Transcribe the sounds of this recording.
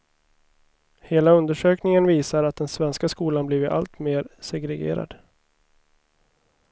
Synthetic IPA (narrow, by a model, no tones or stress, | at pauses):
heːlaɵnd̪əʂøːknɪŋənviːsaɾat̪̚d̪ɛnsvɛnskaskuːlanbliːvɪa̰lt̪meːɾsɛɡɾɛɡḛːɾa̰d̪̥